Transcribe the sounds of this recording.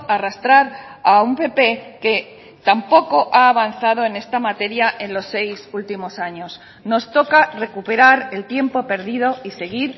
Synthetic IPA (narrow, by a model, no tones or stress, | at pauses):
arast̪ɾaɾaumpe̞pe̞ke̞ | t̪ampo̞ko̞ʔaːβ̞an̟θað̞o̞e̞ne̞st̪amat̪e̞ɾjaʔe̞nlo̞sːe̞jsult̪imo̞saɲo̞s | no̞st̪o̞kare̞kupe̞ɾaɾe̞lt̪je̞mpo̞pe̞ɾðiðo̞ise̞ɣ̞iɾ